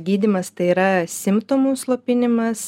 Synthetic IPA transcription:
ɡʲiːd̪ʲɪmɐst̪ɐɪiːɾɐsʲɪmpt̪oːmuːslˠoːpʲɪnʲɪmɐs

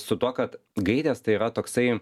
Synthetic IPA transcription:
sʊt̪uɔkɐt̪ɡɐɪd̪ʲeːst̪ɐɪiːɾɐt̪oːksɐɪ

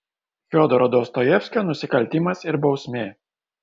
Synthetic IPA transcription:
fʲɔd̪ɔɾɔd̪oːst̪ɔjɛfʲsʲkʲoːnʊsʲɪkɐlʲˑt̪ʲimɐsɪɾbɒʊsʲmʲeː

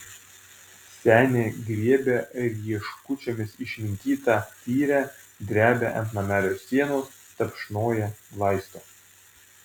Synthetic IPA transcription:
sʲæːnʲeːɡɾʲiɛbʲeɾʲiɛʃkʊt͡ʃʲomʲɪsɪʃʲmʲɪnʲt̪ʲiːt̪ɑːt̪ʲiːɾʲæ | d̪ʲɾʲæːbʲɛʔɐnt̪nɐmʲæːlʲoːsːʲiɛnoːs | t̪ɐpʲʃnoːjɛlˠɑɪst̪oː

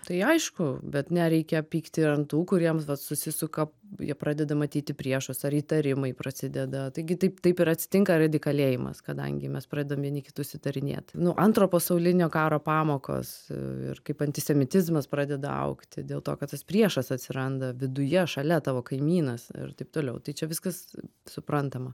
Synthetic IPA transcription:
t̪ɐɪɐɪʃkʊbʲɛt̪nʲɛɾʲɛɪkʲɛpʲiːkt̪ʲɪɾɐnt̪uːkʊɾʲiɛmʋɐtsʊsʲɪsʊkɐpjḭɛpɾɑːd̪ʲɛd̪ɐmɐt̪ʲiːt̪ʲɪpʲɾʲiɛʃʊsɐɾiːt̪ɐɾʲɪmɐɪpɾɐsʲɪd̪ʲɛd̪ɐt̪ɐɪɡʲɪt̪ɐɪpt̪ɐɪpɪɾɐt̪ʲsʲɪ̥t̪ʲɪŋkɐɾɐd̪ʲɪkɐlʲeːjɪmɐ̰skɐd̪ɐ̰ŋʲɡʲɪmʲɛspɾɑːd̪ʲɛdɐomʋʲiɛnʲikʲɪt̪ʊʃʲsʲɪt̪ɐɾʲɪnʲḛːt̪nʊʔɐnt̪ɾoːpɐsɐʊlʲɪnʲoːkɑːɾoːpɑːmoːko̰ːsɪ̰rkɐɪpɐnʲt̪ʲɪsʲɛmʲɪt̪ʲɪzmɐspɾɑːd̪ʲɛd̪ɐ̰ɐ̰ʊkt̪ʲɪd̪ʲeːlˠt̪oːkɐt̪t̪ɐspʲɾʲiɛʃɐsɐt̪ʲsʲɪɾɐnd̪ɐʋʲɪd̪ʊjɛʃɐlʲɛt̪ɑːʋoːkɐɪmʲiːnɐsɪ̰rt̪ɐɪp̚t̪oːlʲɛʊt̪ɐɪt͡ʃʲɛʋʲɪskɐssʊpɾɐnt̪ɐmɐ

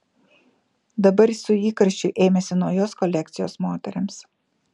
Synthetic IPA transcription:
d̪ɐbɐɾsʊiːkɐɾʲʃʲt͡ʃʲʊʔeːmʲɛsʲɪnɐʊjoːskɔlʲɛkt̪sʲɪjoːsmoːt̪ʲɛɾʲɪms

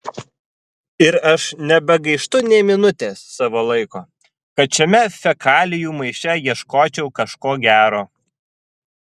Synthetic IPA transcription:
ɪɾɐʃnʲɛbʲɛɡɐɪʃt̪ʊnʲɛɪmʲɪnʊt̪ʲeːsːɑːʋolˠɐɪkoː | kɐt̪̚t͡ʃʲɛmʲɛfʲɛkʰɑːlʲɪjuːmɐɪʃʲtʲɛjiɛʃkoːt͡ʃʲɛʊkɐʃkoːɡʲæːɾoː

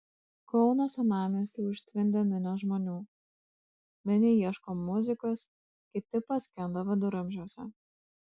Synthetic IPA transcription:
kɔʊnɐsɐnɑːmʲisʲt̪ʲuːʊʃʲt̪ʲʋʲɪnʲd̪ʲɛmʲɪnʲoːʒmoːnʲuː | mʲɛnʲɪiɛʃkoːmːʊzʲɪkos | kʲɪt̪ʲɪpɐsʲkʲɛnd̪oʋɐd̪ʊɾʊmʲʒʲoɔsʲɛ̰

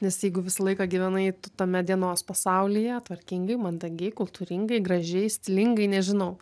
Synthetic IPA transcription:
nʲɛsjɛɪɡʊʋʲɪsɐlˠɐɪkɐɡʲɪʋʲɛnɐɪt̪ʊt̪ɐmʲɛd̪ʲiɛnoːspɐsɐʊlʲɪjɛt̪ʋɐɾʲkʲɪŋɡɐɪmɐnd̪ɐɡʲɛɪkʊlˠt̪uːɾʲɪŋɡɐɪɡrɐʒʲɛɪsʲt̪ʲɪlʲɪŋɡɐɪnʲɛʒʲɪnɐʊ

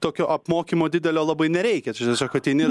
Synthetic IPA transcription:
t̪oːkʲoːʔɐpmoːkʲiːmoːd̪ʲɪd̪ʲɛlʲoːlˠɑbɐɪnʲɛɾʲɛɪkʲɛt̪ɪt̪ʲɐsʲoːkɐt̪ʲɛɪnʲɪ

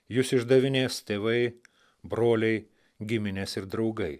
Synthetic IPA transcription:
jʊsɪʒd̪ɐʋʲɪnʲeːst̪ʲeːʋɐɪ | bɾoːlʲɛɪ | ɡʲɪmʲɪnʲeːsɪɾd̪ɾɒʊɡɐɪ

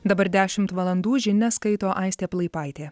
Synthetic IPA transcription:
d̪ɐbɐɾd̪ʲæːʃʲɪmt̪ʋɐlˠɐnd̪uːʒʲɪnʲɛskɐɪt̪oːʔɐɪsʲt̪ʲeːplˠɐɪpɑɪt̪ʲeː

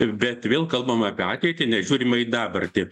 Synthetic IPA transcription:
bʲɛt̪ʋʲeːlˠkɐlˠbɐmɑːpʲiɑːt̪ʲɛɪt̪ʲɪnʲɛʒʲuːɾʲɪmɐɪd̪ɑːbɐrt̪ʲɪ

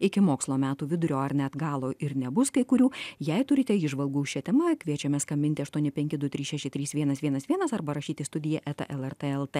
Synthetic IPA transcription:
ɪkʲɪmoːkslˠoːmʲæːt̪uːʋʲɪd̪ʊɾʲoːɐɾnʲɛɐd̪ɡɑːlˠoːʔɪɾnʲɛbʊskɐɪkʊɾʲuːjɛɪt̪ʊɾʲɪt̪ʲɛiːʒʋɐlˠɡuːʊʃʃʲɛt̪ʲɛmɐkʲʋʲiɛt͡ʃʲɛmʲɛskɐmʲbʲɪnʲt̪ʲɪɐʃt̪uɔnʲɪpʲɛŋʲkʲɪd̪ʊt̪ʲɾʲiːsʃʲæʃʲɪt̪ʲɾʲiːsʋʲiɛnɐsʋʲiɛnɐsʋʲiɛnɐsɐɾbɐɾɐʃʲiːt̪ʲɪst̪ʊd̪ʲɪjɛʔɛt̪ɐ̰ʔɛlˠɛɾt̪eɛlˠt̪e

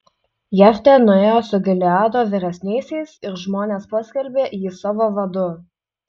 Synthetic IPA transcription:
jɛfʲt̪ʲɛnʊeːjoːsʊɡʲɪlʲɪɑːd̪oːʋʲɪɾʲɛsʲnʲɛɪsʲɛɪsɪɾʒmoːnʲeːspɐsʲkʲɛɾʲbʲeːjiːsɑːʋoːʋɐd̪ʊ

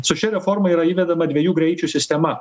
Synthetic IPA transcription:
sʊʃʲɪɾʲɛfɔɾmɐiɾɐiːʋʲɛd̪ɐmɐd̪ʲʋʲiɛjuːɡɾʲɛɪt͡ʃʲusʲɪsʲt̪ʲɛmɐ

